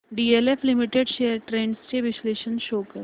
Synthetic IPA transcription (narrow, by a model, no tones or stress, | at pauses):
ɖiːelefʰlimiʈeɖʃejəɾʈɾẽːɳɖst͡ɕeʋisleʃənʃoːkəɾ